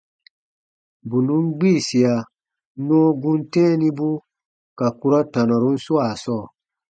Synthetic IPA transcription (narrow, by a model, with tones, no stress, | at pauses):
bu˨nũ˦ŋ˦ɡ͡biː˦˨si˨a˨ | nɔ̃˦ɡũ˦n˦tɛ̃˦nĩ˧˦bu˦ | ka˨ku˦ɾɔ˦tã˨nɔ˨ɾu˦n̩˦su˦a˨sɔː˦˨